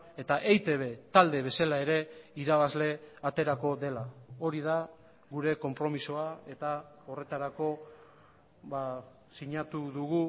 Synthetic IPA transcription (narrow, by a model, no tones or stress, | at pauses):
e̞t̪aʔejt̪e̞β̞e̞t̪ald̪e̞β̞e̞salae̞ɾe̞iɾaβazle̞at̪e̞ɾako̞ðe̞lao̞ɾiða | ɣuɾe̞ko̞mpɾo̞misoae̞t̪a | o̞re̞t̪aɾako̞ | βa | siɲat̪uðuɣu